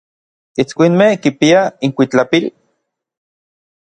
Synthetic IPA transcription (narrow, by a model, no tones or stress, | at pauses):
it͡skʷinmehkipiaiŋkʷit͡ɬapil